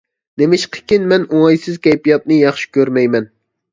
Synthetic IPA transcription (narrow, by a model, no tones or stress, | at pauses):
nemɪʃqʰə̥kʲinmɛnuŋɑjsɨzkʲɛjpijɑt̪̚nɨjɑχʃi̥kʲøɾmɛjmɛn